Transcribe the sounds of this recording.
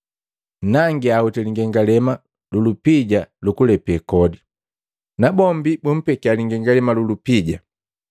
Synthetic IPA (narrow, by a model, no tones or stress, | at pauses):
naŋɡiahutɛliŋɡɛŋɡalɛma | lulupiɟalukulɛpɛkɔdi | nabɔmbibum̩pɛkialiŋɡɛŋɡalɛmalulupiɟa